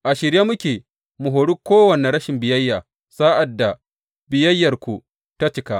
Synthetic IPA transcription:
ʔa˨ʃɪ˨ɾja˦mʊ˦kʲeː˨ | mu˨ɦoː˨ɽu˦kʷoː˦wɐ˨ne˨ɽɐ˦ʃɪ˨mbɪ˨jɐ˦jːaː˨ | saː˦ʔa˨dːa˨ | bɪ˨jɐ˦jːɐ˨rkʷu˨ | ta˦t͡ʃɪ˦ka˦ʔ

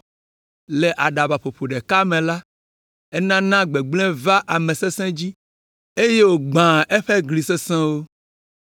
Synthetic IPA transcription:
le˨ʔa˨ɖa˨ba˨ɸo˨ɸo˨ɖe˨ka˦mẽ˨la˦ | ɛ˦nã˦nã˦ɡ͡be˨ɡ͡blɛ̃˦va˦ʔa˨mẽ˨se˦sɛ̃˦d͡ʑi˦ | e˦je˦wo˨ɡ͡bã˨e˦ɸe˦ɡli˨se˦sɛ̃˦wo˦

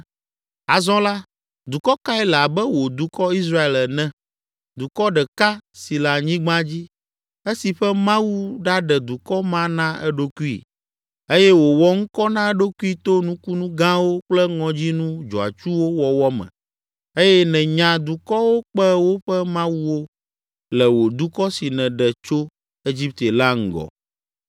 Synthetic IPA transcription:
a˨zɔ̃˦la˦ | d̪u˨kɔ˦ka˦ɛ˦la˨bɛ˦wo˨d̪u˨kɔ˦i˦sɾa˦e˨lɛ˨nɛ̃˦ | d̪u˨kɔ˦ɖɛ˨ka˦si˨la˨ɲĩ˦ɡ͡bã˦d͡ʑi˦ | e˦si˨ɸɛ˦mã˦wu˦ɖa˦ɖɛ˨d̪u˨kɔ˦mã˦nã˦ɛ̰˦ɖo˦ku˦ḭ˨ | e˦jɛ˦wo˨wɔ˦ŋ̩˦kɔ˦nã˦ɛ˦ɖo˦ku˦i˦t̪o˦nũ˦ku˦nũ˦ɡã˦wo˦k͡plɛ˦ŋɔ̃˨d͡ʑi˦nũ˦d͡ʒɔ˨a̰˨t͡ʃu˦wo˦wɔ˨wɔ˦mɛ̰̃˨ | e˦jɛ˦nɛ̃˨ɲã˨d̪u˨kɔ˦wo˦k͡pɛ˦wo˦ɸɛ˦mã˦wu˦wo˦ | lɛ˨wo˨d̪u˦kɔ˦si˨nɛ̃˨ɖɛ˨t͡ʃo˦ | e˦d͡ʑi˦p̚t̪e˨la˦ŋ̩˨ɡɔ̰˨

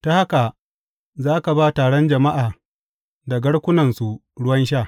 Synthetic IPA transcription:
ta˦ha˦ka˨ | zaː˦ka˨baː˦taː˨ɽɔ˦nd͡ʒɐ˨ma˦ʔaː˨ | da˨ɡɐ˦ɽkʷʊ˦nɐ˨nsu˨ | ɽʊ˦wɐ˦nʃaː˦˨

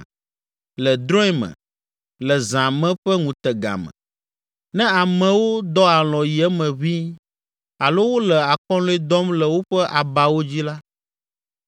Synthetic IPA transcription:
lɛ˨d̪ɾɔ̃˦ɛ˦mɛ̰̃˨ | lɛ˨zã˨mɛ̃˦ɸɛ˦ŋũ˨t̪ɛ˨ɡa̰˨mɛ̰̃˨ | nɛ̃˦a˨mɛ̃˨wo˦d̪ɔ˦a˨lɔ̃˨ji˨ɛ˦mɛ̃˨βi˦ | a˨lo˦wo˦lɛ˨a˨kɔ̃˦lɔ˦ɛ˦d̪ɔ˦mlɛ˨wo˦ɸɛ˦ʔa˨ba˨wo˦d͡ʑi˦la˦

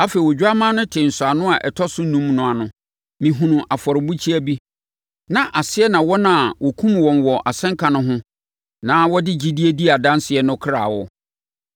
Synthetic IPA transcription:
a˦fe˨wɔ˨d͡ʑᶣa˦mã˦nʊ̃˦tʰɪ̃˨n̩˨sʊ˨a˨nʊ̃˦a˨ʔɛ˨tʰɔ˦sʊ˦nũ˦mnʊ̃˨a˨nʊ̃˨ | mĩ˨ɦũ˨nʊ̃˨ʔa˨fɔ˨ɾɪ˨bu˦t͡ɕʰi˦æ˦bi˦ | nã˨ʔa˨sɪ˦ɛ˦nã˨wɔ˦nã˨wʔɔ˨kʰũ˦mwɔ̃˨nwɔ˨ʔa̰˨sɛ̃˦ŋkʰa˨nʊ̃˦ɦʊ̃˦ | nãː˨˦wɔ˦dɪ˦d͡ʑi˦di˦e˦di˦a˨dã˦nsɪ˨ɛ˨nʊ̃˦kʰɾa˨wɔ˦˨

